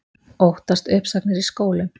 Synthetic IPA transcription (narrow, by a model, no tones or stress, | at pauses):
owht̪ast̪ʏhpsaknɪɾiskoːwlɪ